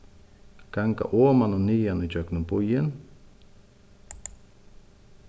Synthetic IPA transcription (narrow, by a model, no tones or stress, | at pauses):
kaŋka̰ʔomanonijanot͡ʃaknumpujən